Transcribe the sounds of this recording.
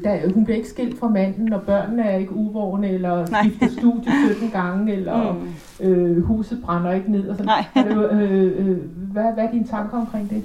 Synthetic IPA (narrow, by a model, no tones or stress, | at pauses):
d̥æhunb̥liɐe̝ɡ̥ə̥sɡ̥e̝l̰d̥fɑmæn̰n̩ɒ̽b̥ɶɐ̰nːəæɐe̝ɡ̥əuʋɒʊnəelɐsɡifd̥əsd̥ṵːd̥jəsød̥n̩ɡ̥ɑ̈ŋelɐ | øhṵːsð̩ˠb̥ʁɑ̈nɐe̝ɡ̥əne̝ð̞̰ˠɒsɒ̽n | ʋæʋæɐd̥int͡sʰɑ̈ŋɡ̥ɐɒ̽mkʰʁeŋ̰d̥e̝